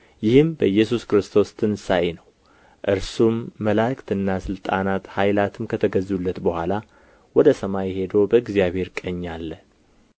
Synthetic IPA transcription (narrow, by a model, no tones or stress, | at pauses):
jɪhɨmbəɨjːɛs̬uskɨɾɨst̪ʰo̞st̪ʰɨnsajenəw | ʔɨɾsumːəlakt̪ɨnːasɨlt̪ʼanat̪hajlat̪ʰɨmkʰət̪ʰəɡəzulːət̪bəhʷala | wɔd̪əsəmajhe̞d̪əwbəɨɡzijaβhe̞ɾkʼəɲːalːə